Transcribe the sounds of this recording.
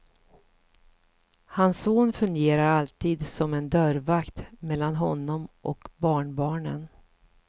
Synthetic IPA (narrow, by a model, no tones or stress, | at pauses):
hansoːnfɵŋɡeːɾaɾalt̪iːd̪sɔmɛnd̪œɾvakt̪mɛlːanɦɔnːɔmʔɔkbɑːɳbɑːɳən